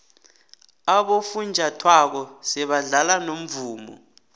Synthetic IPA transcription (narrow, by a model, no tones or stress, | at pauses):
aɓofund͡ʒʱatʰwak̬ɔsɛɓaɮalanom̩vuːmɔ̰